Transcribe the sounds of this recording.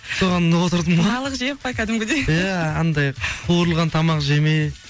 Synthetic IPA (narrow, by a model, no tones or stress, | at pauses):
so̞ʁɑnːəwot̪əɾd̪əmɑlˠəqʒejp̚pɑjkʲʰæd̪ɪmɡʲed̪ejæɑnd̪ɑjqʰuɾəlˠʁɑnt̪ʰɑmɑqʒe̞mej